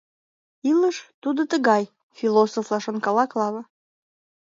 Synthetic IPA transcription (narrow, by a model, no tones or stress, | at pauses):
iləʃt̪ud̪ət̪əɣɑj | filosoflɑʃənkɑlɑklɑβə̆